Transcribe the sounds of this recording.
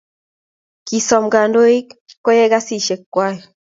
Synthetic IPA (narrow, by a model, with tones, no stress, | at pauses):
ki˨sɔ˨mɡa˨ndo˦i˦k | kːo˦jɛ˦ɡa˦si˦ʃe˨kːwa˦jɛ˨